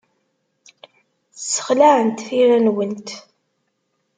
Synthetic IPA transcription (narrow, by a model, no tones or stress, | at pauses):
θsːə̥χlaʕənt̪θiɾænwənt̪